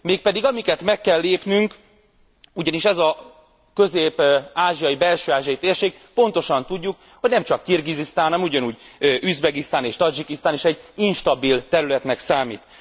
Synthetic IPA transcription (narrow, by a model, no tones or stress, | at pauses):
meːk̚pɛd̪iɡɒmikɛt̪mɛkːɛlːeːpnyŋk | uɟɒniʃɛzɒ | kø̞zeːpaːʒijɒjibɛlʃøːaːʒiɒit̪eːrʃeːk̚po̞n̪t̪o̞ʃɒnt̪uɟːuk | ho̞ɟnɛmt͡ʃɒkːirɡizist̪aːnnɛmuɟɒnuːɟ | øʔyzbɛɡist̪aːneːʃt̪ɒd͡ʒikist̪aːneːʃɛɟːinʃt̪ɒbilt̪ɛɾylɛt̪nɛksaːmḭːt̪